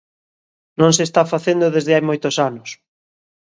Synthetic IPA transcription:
nõŋsest̪afaθend̪oðezðɪajmojt̪osanʊs

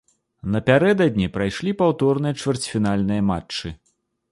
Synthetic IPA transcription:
nɐpʲaɾɛd̪ɐd̪ʲnʲipɾajʂlʲipawt̪ɔrnɨjɐt͡ʂvʲɛrt͡sʲfʲinalʲnɨjɐmat͡ʂt͡ʂːɨ

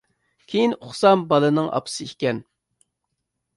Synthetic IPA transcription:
kʲʰejinoχsɑmbɑlˠɨnɨŋʔɑ̰pʰɨ̥sɨikʲɛn

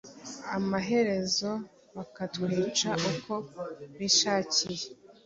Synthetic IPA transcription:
amaɦe̞ɾe̞zo̞ | βakatkwiːt͡ʃaʔukʰo̞βiʃaːcije

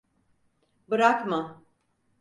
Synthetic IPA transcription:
bɯɾakmɯ

